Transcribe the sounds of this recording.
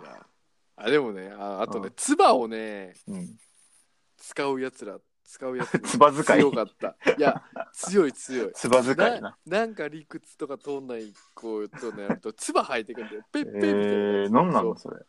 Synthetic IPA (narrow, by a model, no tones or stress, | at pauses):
ja̰ | ad̪e̞mo̞ne̞anoat̪o̞ne̞t͡sɨbao̞ne̞ɯ̃ɴ | t͡sɨ̥kaɯ̟jat͡sɨɾa | t͡sɨ̥kaɯ̟jaat͡sɨbazɨkaijokat̪ːajat͡sɨjo̞it͡sɨjo̞it͡sɨbazɨknãnanãŋkaɾʲikɯ̟t͡sɨ̥t̪o̞kat̪o̞nːaikʰːoːt̪ːoneaɯt̪ot͡sɨbahait̪ːe̞kɯ̟̃nd̪ajopepːeminãnːãnsoɾḛ